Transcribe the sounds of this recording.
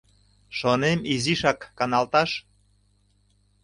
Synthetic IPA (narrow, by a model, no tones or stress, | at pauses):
ʃonemiziʃɑkːɑnɑlt̪ɑʃ